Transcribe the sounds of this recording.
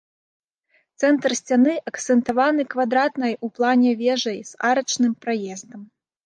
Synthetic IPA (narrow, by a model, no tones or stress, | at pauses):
t̪sɛnt̪rsʲt͡sʲanɨʔɐkt̪sɛnt̪avanɨkvad̪ɾat̪nɐjuplˠanʲɛvʲɛʐɐjz̥aɾɐt͡ʂnɨmpɾajɛzd̪ɐm